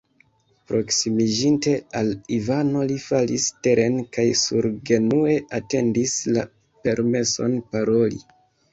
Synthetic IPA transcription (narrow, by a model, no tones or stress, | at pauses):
pɾʔo̞ksimid͡ʒinte̞alivano̞lifaliste̞ɾʔe̞nkajsuɾɡe̞nue̞ʔate̞ndisla̰ | pe̞ɾme̞so̞̰npaɾo̞lḭ